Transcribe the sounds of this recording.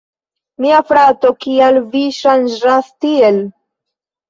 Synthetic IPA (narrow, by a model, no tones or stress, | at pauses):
miafɾatokialviʃand͡ʒastiel